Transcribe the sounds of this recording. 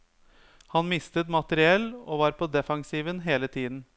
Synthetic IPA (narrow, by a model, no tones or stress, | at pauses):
hɑnmɪst̪ət̪mɑt̪əɾɪɛlːoːʋɑːɾpʰɔd̪ɛfɑŋsiːʋənɦeːlət̪ʰiːd̪n̩